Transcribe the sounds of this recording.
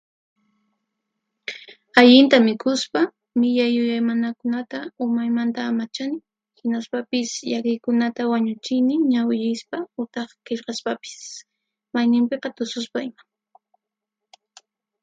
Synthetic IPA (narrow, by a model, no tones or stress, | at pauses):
aʎɪnt̪amɪkʊspa | mɪʎajːʊjajmanakʊnat̪aʊmajmant̪aːmat͡ʃanɪ | hɪnaspapɪsʎakɪjkʊnat̪awaɲʊt͡ʃɪjnɪɲawjɪjspaʊt̪ɑχkeʎqɑspapɪ̥s | majnɪmpeqɑt̪ʊsʊspaɪma